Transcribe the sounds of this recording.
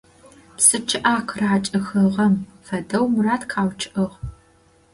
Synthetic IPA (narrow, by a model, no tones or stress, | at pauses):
psɨt͡ʃʰɪʔaːqʰraːt͡ʃʼɨxɐʁɐmfɐdɐwmɨraːtkʰaːwt͡ʃʰɪʔɨʁ